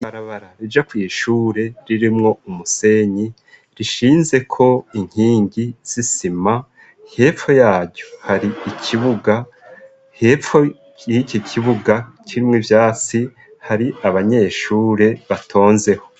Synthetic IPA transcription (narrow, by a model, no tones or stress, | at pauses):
aɾaβaɾaɾid͡ʒakwijiʃuːɾe̞ɾiɾimŋo̞umuse̞ɲi | ɾiʃiːnze̞kʰo̞iŋ̥hiːŋɡiz̥isima | he̞ːfo̞jaːɟɟohaɾiicʰiβuɡa | heːfo | icicʰiβuɡaciimŋivjaːt͡si | haɾiaβaɲe̞ːʃuːɾe̞βatʰo̞ːnze̞ho̞̥